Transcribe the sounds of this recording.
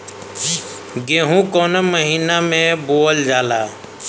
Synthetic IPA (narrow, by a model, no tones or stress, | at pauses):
ɡeːɦũkoːnəməɦiːnamẽboːld͡ʒaːlaː